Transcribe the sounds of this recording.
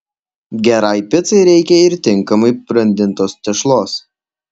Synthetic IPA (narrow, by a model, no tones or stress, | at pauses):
ɡʲɛɾɑɪpʲɪt̪sɐɪɾʲɛɪkʲɛɪɾt̪ʲɪŋkɐmɐɪpɾɐnʲd̪ʲɪnt̪oːst̪ʲɛʃlˠoːs